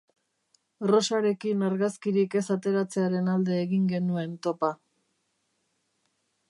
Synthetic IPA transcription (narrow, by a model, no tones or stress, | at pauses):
ro̞saɾe̞kinaɾɣaskiɾike̞sat̪e̞ɾat͡se̞aɾe̞nald̪e̞ːɣiŋɡe̞nue̞nt̪o̞pa